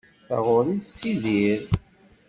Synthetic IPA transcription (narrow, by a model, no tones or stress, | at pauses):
θa̰ʁʊɾisiðiɾ